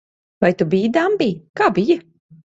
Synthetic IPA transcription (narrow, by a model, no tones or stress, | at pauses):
vajt̪ubiːd̪ambiːkaːbijɐ